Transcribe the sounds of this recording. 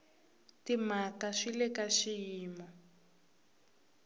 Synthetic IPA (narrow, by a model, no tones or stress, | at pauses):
timakaʂilɛkaʃijiːmɔ